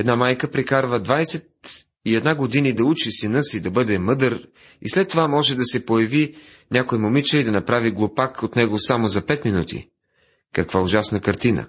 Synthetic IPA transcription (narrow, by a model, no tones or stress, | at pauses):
ɛd̪namajkəpɾikaɾvəd̪vajsɛt̪ | iɛd̪naɡod̪inid̪ɐut͡ʃisinɤsid̪ɐbɤd̪ɛmɤd̪əɾ | ḭslɛt̪ːovamɔʒɛd̪ɐsɛpojɐvi | nʲakojmomit͡ʃəid̪ɐnɐpɾaviɡlˠopakot̪nɛɡosamozɐpɛt̪minut̪ʰḭ | kɐkv̥aʊʒasnəkɐɾt̪inə̰